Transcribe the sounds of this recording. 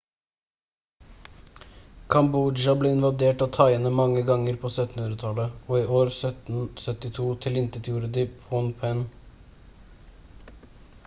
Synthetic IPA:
kʰɑmbud͡ʒɑbleːɪnʋɑd̪eːʈɑːt̪ʰɑɪənəmɑŋːəɡɑŋəɾpʰoːsœt̪ːnhʉnɾət̪ʰɑləoːiːoːɾsœt̪n̩sœt̪ɪt̪ʰuːt̪ʰɪlɪnt̪ət̪ʰjuːɾəd̪ɪːpʰɔnpʰɛn

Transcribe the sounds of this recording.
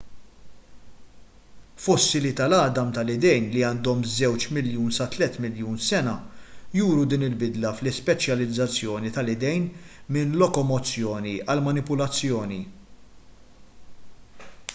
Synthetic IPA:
fɔsːilɪt̪ɐlɐd̪ɐmt̪ɐlɪd̪ɛjnliɐːnd̪ɔmzɛwt͡ʃmɪljuːnsɐt̪lɛt̪mɪljuːnsɛnɐjuːɾud̪iːnɪlbɪd̪lɐflɪspɛt͡ʃjɐlɪd͡zːɐt͡sːjɔːnit̪ɐlɪd̪ɛjn | mɪnlɔkɔmɔt͡sːjɔːniɐlmɐnɪpʊlɐt͡sːjɔːni

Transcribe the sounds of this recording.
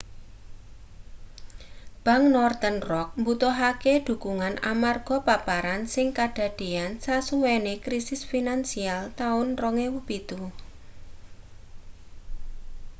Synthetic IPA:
b̥a̤ŋnɔrt̪ənrɔk̚mbut̪ɔɦakeɖ̪̥ṳkuŋanʔa̰marɡ̥ɔ̤papaɾansɪŋkad̥ä̤ɖ̥e̤ansasuwenekɾisɪsfinansialt̪aʊnrɔŋewub̥it̪u

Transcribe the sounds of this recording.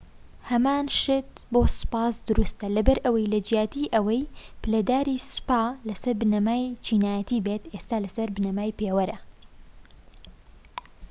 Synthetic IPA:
hɐmaːnʃɪt̪ | boːsɨ̥paːsd̪ʊɾust̪ɐlɐbɐɾʔɐwɐjlɐd͡ʒjaːt̪iʔɐwɐjpɨlɐd̪aːɾispaːlɐsɐɾbɨnɐmaːjt͡ʃʰiːnaːjɐt̪iːbet̪est̪aːlɐsɐɾbɨnɐmaːjpeːwɐɾɐ

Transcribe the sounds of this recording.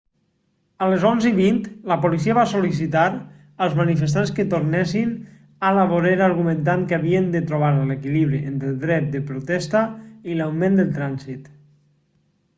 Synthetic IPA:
ələzonziβint̪ləpolis̬iaβasolis̬it̪aɾ | əlˠzmanifəs̬t̪anskət̪oɾnɛsin | alaβoɾeɾaɾɣumənt̪̬aŋkaβiənd̪ət̪ɾoβ̞aɾlekiliβɾiʔent̪ɾəlˠd̪ɾɛt̪̚d̪əpɾot̪ɛst̪əilawmẽnd̪əlˠt̪ɾanzit̪

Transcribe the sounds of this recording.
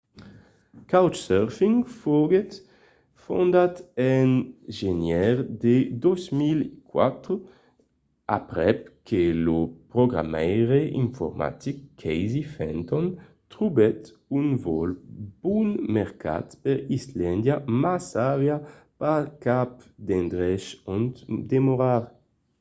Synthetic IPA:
kawt͡ʃsøʁfiŋfoɡet̪ | fond̪at̪ɛnʒenjɛʁd̪ed̪ozmilekwa̰t̪ɾo | a̰pʁɛp̚kʰelopɾoɡʁa̰mɛjʁeiɱfo̰ʁma̰t̪ikʰːɛjzifɛnt̪ɔn | t̪ʁubɛt̪ | unvɔlb̥unmɛʁka̰t̪peɾislɛnd̪jamasavjapakapd̪end̪ʁɛʃɔnt̪d̪emoʁaʁ

